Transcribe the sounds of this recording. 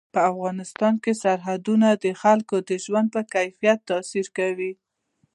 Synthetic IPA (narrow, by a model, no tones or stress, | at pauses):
pəafɣɑnɪst̪ɑnkesaɾɦad̪unad̪əxalkod̪əʒwand̪̚pəkajfijat̪ːɑsiɾkawi